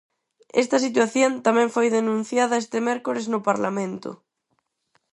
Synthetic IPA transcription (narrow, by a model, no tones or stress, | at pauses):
ḛst̪asit̪̬waθjont̪amẽɱfojðenũn̟θjaðaest̪emeɾkoɾeznopaɾlamẽnt̪o̰